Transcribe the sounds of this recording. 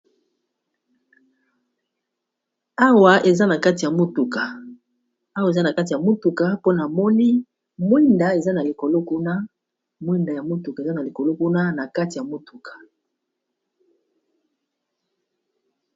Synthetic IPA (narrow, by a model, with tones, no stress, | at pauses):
a˦wa˨ʔe˨za˦na˨ka˦ti˨ja˨mo˦tu˨ka˨ | a˦wa˨e˨za˦na˨ka˦ti˨a˨mo˦tu˨ka˨po˦na˨mɔ˦ni˦ | mwi˦nda˨e˨za˦na˨li˨ko˨lo˦ku˦na˦ | mwi˦nda˨ja˨mo˦tu˨ka˨e˨za˦na˨li˨ko˨lo˦ku˦na˦na˨ka˦ti˨ja˨mo˦tu˨kʰḁ˨